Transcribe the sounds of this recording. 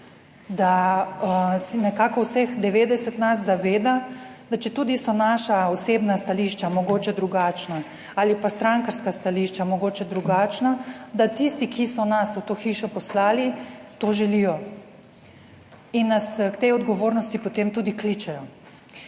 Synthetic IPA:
d̪a | sɛnɛkakɔwsɛxd̪ɛʋeːd̪ɛsɛt̪nasːaʋeːd̪ad̪̥at͡ʃɛt̪uːd̪isɔnaʃaɔseːbnast̪aliʃt͡ʃamɔɡoːt͡ʃɛd̪ɾuɡaːt͡ʃna | aːlipast̪ɾaŋkaɾskast̪aliʃt͡ʃamɔɡoːt͡ʃɛd̪ɾuɡaːt͡ʃnad̪at̪ist̪ikʰisɔnaswt̪oːxiʃɔpɔslaːlit̪oʒɛlijɔ | inːaskt̪ejɔd̪ɡɔʋoːɾnɔst̪ipɔt̪emt̪uːd̪iklit͡ʃɛjɔ

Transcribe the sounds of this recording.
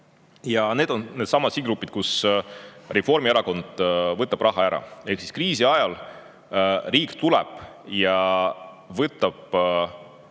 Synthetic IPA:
jɑne̞ːd̪̥o̞nne̞d̪̥sɑmɑ̥siːɡɾupːˑit̪̚kus | refo̞rmieɾɑko̞nd̪̥vɤt̪ːˑɑb̥rʔɑɦɑæɾɑ̰e̞hksi̥skriːsiɑjɑl | riːkt̪ulɛ̰b̥jɑ | vɤt̪ːˑɑb̥

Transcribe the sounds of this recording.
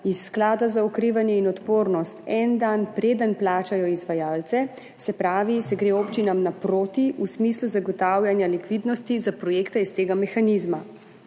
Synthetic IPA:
isːklaːd̪azaɔkɾiːʋanjɛinɔt̪poːɾnɔst̪ɛnd̪anpɾeːd̪ənplaːt͡ʃajɔizʋajaːlt̪sɛ | sɛpɾaːʋisɛɡɾeːoːpt͡ʃinamnapɾoːt̪iʔusmiːsluzaɡɔt̪aːwljanjalikʋid̪nɔst̪izapɾɔjeːkt̪aist̪eːɡamɛxanizma

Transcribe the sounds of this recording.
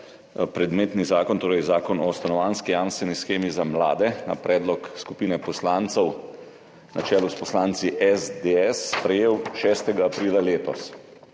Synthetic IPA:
pɾɛd̪meːt̪nizaːkɔnt̪oːɾɛjzaːkɔnɔust̪anɔʋaːnskijaːnst̪ʋɛnisxeːmizamla̰ːd̪ɛna̰pɾʔɛːd̪lɔkskupiːnɛpɔslaːnt̪sɛw | nat͡ʃɛːluspɔslaːnt̪siʔɛzd̪eɛsːpɾɛjeːwʃɛːst̪ɛɡaːpɾiːlaleːt̪ɔ̰s

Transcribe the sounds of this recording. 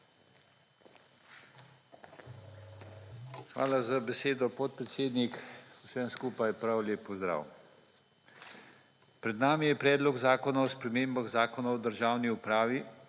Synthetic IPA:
xʋa̰ːlazabɛseːd̪ɔpɔt̪̚pɾɛt̪seːd̪nikusɛmskuːpajpɾawleːpːɔzd̪ɾa̰ːw | pɾɛd̪naːmijɛpɾɛːd̪lɔɡzaːkɔnaɔspɾɛmeːmbaɣzaːkɔnaɔd̪əɾʒaːwniupɾaːʋi

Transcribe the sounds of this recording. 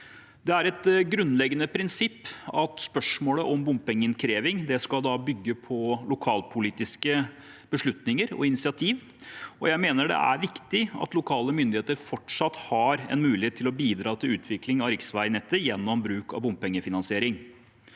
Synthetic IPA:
d̪ɛæɾɛt̪ɡɾʉnːlɛɡːənəpʰɾɪnsɪpːɑt̪spœʂmoːləʔɔmbʊmpɛŋːəɪnkʰɾeːʋɪŋd̪ɛskɑld̪ɑbʏɡːəpʰɔlʊkʰɑːlpʰʊliːt̪ɪskə | b̥əʂɭʉt̪nɪŋəɾɔ̰ɪnɪsɪɑt̪ʰiːʋ | ɔjæɪmeːnəɖɛ̰ʔæ̰ɾʋɪkt̪ɪɑ̰t̪lʊkʰɑːləmʏnd̪ɪeːt̪əɾfɔʈʂɑt̪hɑɾɛ̰nmʉːlɪheːt̪ʰːɪlɔbiːd̪ɾɑːt̪ʰɪlʉːt̪ʰʋɪklɪŋɑɾɪksʋæɪnɛt̪ːəjɛnːɔmbɾʉːkɑ̰ʋbʊmppɛŋːəfɪnɑnsɪeːɾɪŋ

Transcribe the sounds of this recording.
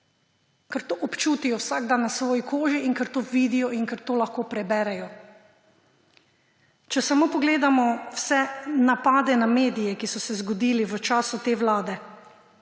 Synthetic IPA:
kaɾt̪oːʔɔpt͡ʃuːt̪ijɔwsaɡ̚d̪anːasʋoːjikʰoːʒiiŋkaɾt̪oːʋiːd̪ijɔiŋkaɾt̪oːlaxkoːpɾɛbɛːɾɛjɔ | t͡ʃɛsamoːpɔɡleːd̪amɔwsɛnapaːd̪ɛnameːd̪ijɛkisɔsɛzɡɔd̪iːliʋət͡ʃaːsut̪eːʋlaːd̪ɛ

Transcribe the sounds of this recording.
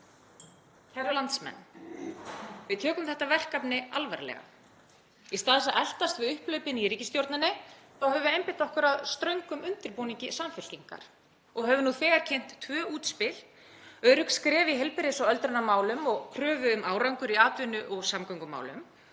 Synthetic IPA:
cʰɛɾalant̪smɛ̰nː | vɪðt̪ʰɛːkʏmθɛht̪avɛr̥kapnɪalvaɾlɛ̰ɣa̰ | ist̪aːðɪsaʔɛl̥t̪ast̪vɪðʏhplœɥpɪniɾiːcɪst̪jowɾt̪nanːɪθawɦɛvʏejmpɪ̥t̪ɔhkʏɾaðst̪ɾœɥŋkʏmʏnt̪ɪɾpuːniɲcɪsamfɪl̥ciŋka̰ɾ̥ | ɔɣɦɛvʏnuθɛːɣaɾ̥cʰen̥t̪ːʰvœːuːt̪spɪl̥ | œɥɾʏkskɾɛːviɦɛlpɪɾɪsawœlt̪ɾʏnamaːwlʏmɔɣkʰɾœːvʏʏmaːwɾawŋkʏɾiaːt̪vʏnʏʔɔɣsamkɔŋkʏma̰ːwlʏ̰m

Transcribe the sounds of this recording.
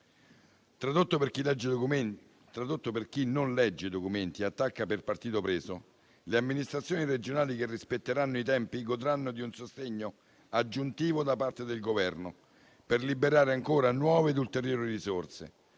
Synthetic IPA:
t̪ɾad̪ot̪ːopkilɛd͡ʒːe | t̪ɾad̪ot̪ːoperkinːonlɛd͡ʒːed̪okument̪iat̪ːakːaperpart̪iːt̪opɾeːso | leamːinist̪ɾat̪sːjoːniɾed͡ʒonaːlik̟erːispet̪ːeɾanːoit̪̬ɛmpiɡod̪ɾanːod̪iunsost̪eɲːo | ad͡ʒːunt̪iːvod̪apart̪ed̪elɡovɛrno | perlibeɾaːɾeaŋkoːɾanwɔːveːd̪ult̪eɾjoːɾirisort̪sḛ

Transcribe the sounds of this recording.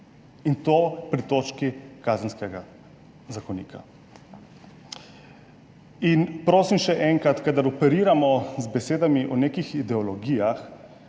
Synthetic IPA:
int̪oːpɾit̪oːt͡ʃkikaːzənskɛɡa | zakɔnḭːkʰa̰ | inpɾoːsimʃɛʔɛŋkɾat̪kad̪aɾɔpɛɾiːɾamɔzbɛseːd̪amiʔɔneːkixid̪ɛɔlɔɡijax

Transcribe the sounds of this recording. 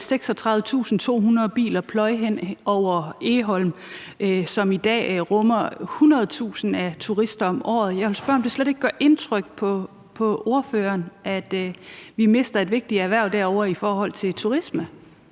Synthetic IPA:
seɡ̥sɒ̽t͡sʰʁɑ̈ðʋˠət͡sʰṵːsn̩t͡sʰo̝̰ːɦunɐðˠb̥ḭːlɐpʰlɒ̽ɪɦen̰ɒʊ̰ɐe̝ːɦɒ̽lmʔsɒ̽mid̥ɛ̰ːʁɔmɐhunʁɐð̞̩ˠt͡sʰṵːsn̩æt͡sʰuʁisd̥ɐɒ̽mʔɒ̰ːð̩ˠjɑ̈ɪʋelsb̥ɶɐɒ̽md̥e̝sled̥e̝ɡ̥̚ɡ̥ɶɐʔe̝nt͡sʰʁœɡ̥̚pʰɒ̽ | pʰɒ̽o̝ɐføːɐnʔæd̥ʋime̝sd̥ɐe̝d̥ʋe̝ɡ̥̚d̥i̥æʋæɐʊ̰d̥æɐ̰ɒʊɐifɒːhɒ̽l̰t͡sʰe̝lt͡sʰuʁismə

